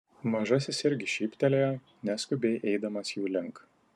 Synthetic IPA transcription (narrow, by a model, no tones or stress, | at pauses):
mɐʒɐsʲɪsɪɾʲɡʲɪʃʲiːpʲt̪ʲɛlʲejɛ | nʲæsʲkʊbʲɛɪʔɛɪd̪ɐmɐsjuːlʲɪŋˑk